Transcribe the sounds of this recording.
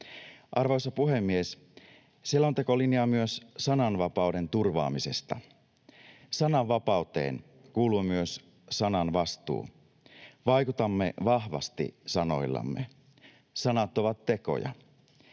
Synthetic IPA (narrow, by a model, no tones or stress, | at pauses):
ʔɑrʋojsɑpuɦemːies | sielːont̪e̞ko̞liniɑmyøssɑnɑnʋɑpɑuwde̞nt̪urʋɑ̰ːmise̞st̪ɑ̰ | sɑnɑʋʋɑpɑut̪e̞̰ːn | kuːluːmyøs | sɑnɑnʋɑst̪ṵː | ʋɑjkut̪ɑmːe̞ʋɑhʋɑ̰st̪ḭsɑno̞̰jlːɑ̰mːḛ | sɑnɑt̪ːoʋɑt̪ːe̞ko̞̰jɑ̰